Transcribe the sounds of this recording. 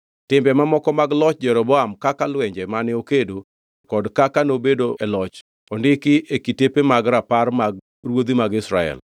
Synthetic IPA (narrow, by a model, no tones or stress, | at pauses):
tɪmbɛmamɔkɔmaɡlɔt͡ʃd͡ʒɛɾɔbɔamkakalwɛɲd͡ʒɛmanɪokedo | kɔdkakanobedoʔɛlɔt͡ʃ | ondɪkɪʔekitepemaɡɾaparmaɡ̚ | rwod̪imaɡɪsɾaɛ̰l